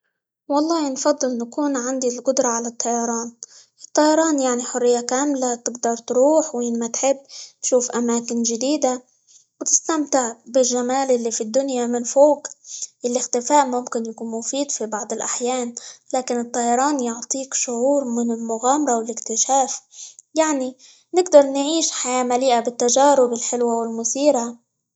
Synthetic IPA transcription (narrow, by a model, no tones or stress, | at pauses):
wɑlˤːɑːhinfɑd̪ˤːɨlnakuːnʕand̪ilqʊd̪ɾˤɑʕalat̪ˤːɑjɑɾˤɑːnʔɨt̪ˤːɑjɑɾˤɑːnjaʕniħʊrːɪjːakaːmlat̪ɪɡd̪ɑɾˤt̪ɾuːħwiːnmat̪ħɪbːt̪ʃuːfʔamaːkɪnʒɪd̪iːd̪a | wt̪ɪ̥st̪amt̪ɪʕbɪlʒːamaːlʔɪlːifid̪ːʊnjamɪnfoːkʔɪlːɪxt̪ɪfaːʔmʊmkɪnjakuːnmʊfiːd̪fibɑʕd̪ˤɪlʔaħjaːnlaːkɪnɨt̪ˤːɑːjɑɾˤɑːnjʊʕt̪ˤiːkʃʊʕuːɾmɪnɪlmʊɣaːmɑɾˤɑwɪlɪkt̪ɪʃaːfjaʕni | nɪɡd̪ɑɾˤnʕiːʃħajaːmaliːʔabɪt̪ːaʒaːɾʊbɪlħɪlwawɪlmʊsiːɾa